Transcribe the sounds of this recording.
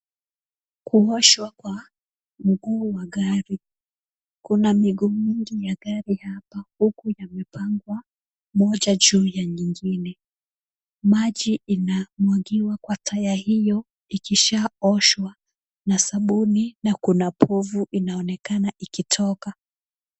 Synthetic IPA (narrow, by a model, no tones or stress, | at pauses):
kuɔʃwakwa | m̩ɡuːwaɠaɾi | kunamiɡumiŋɡijaɡaɾihapahukujamɛpʰaŋɡwa | mɔʄaʄuːjaɲiŋɡinɛ | maʄiːnamwaɡiwakwatʰajahijɔ | ikiʃaɔʃwa | nasaɓuninakunapɔvuʔinaɔnɛkanaʔikitʰɔka